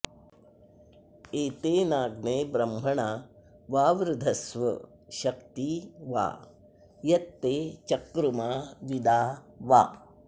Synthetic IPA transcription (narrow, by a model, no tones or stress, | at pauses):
eːt̪eːnaːɡneːbɾɐmbʱɐɳaː | ʋaːʋɾud̪ʱɐsʋɐ | ʃɐkt̪iʋa̰ː | jɐt̪ːeːt͡ʃɐkɾumaːʋid̪aː | ʋa̰ː